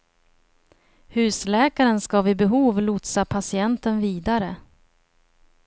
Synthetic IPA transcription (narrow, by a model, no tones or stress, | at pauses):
hʉ̟ːslɛːkaɾənskɑvɪbɛɦuːvlʊt̪sapʰasɪɛnt̪ənviːd̪aɾə